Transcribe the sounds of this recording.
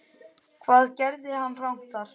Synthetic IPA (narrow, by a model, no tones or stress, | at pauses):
kʰvaːðcɛɾðɪhanːrawŋ̥t̪aɾ̥